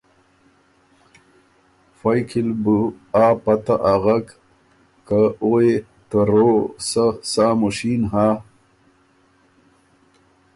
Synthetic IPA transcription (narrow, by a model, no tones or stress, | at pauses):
fajkʰilbu | aːpat̪aʔaɣak | kaoe | t̪əɾosasamuɕinɦa